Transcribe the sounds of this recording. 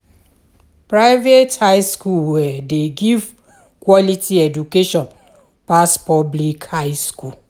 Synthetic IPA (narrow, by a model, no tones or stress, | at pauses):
pɹaɪvethaɪskulwɛdeɡiv | kwɔlitʰiɛdukeʃɔ̃n | paspɔblikhaɪskul